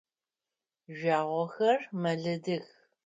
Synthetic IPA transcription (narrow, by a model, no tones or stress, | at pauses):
ʒʷaːʁʷɔxɐrmɐɮɐdɨx